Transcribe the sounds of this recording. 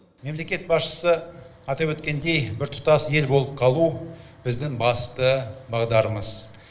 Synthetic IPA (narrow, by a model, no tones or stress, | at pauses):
me̞mle̞kʲe̞t̪̚bɑsʃə̥səɑt̪ɑpwɵt̪kʲe̞nd̪e̞jbɪɾt̪ʰʊ̥t̪ɑsje̞lbo̞lˠəp̚qʰɑlˠub̥ɪzd̪ɪŋbɑst̪əbɑʁd̪ɑɾəməz̥